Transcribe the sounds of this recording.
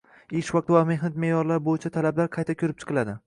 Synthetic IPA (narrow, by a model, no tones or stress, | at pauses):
eʃvɑq̚t̪vame̞ɦnat̪̚mejɒɾlaɾbojɪt͡ʃʰat̪ʰalablaɾqʰɑjt̪ʰakʲʰɵɾɪp̚t͡ʃʰɨ̥qʰɨlˠad̪ɪ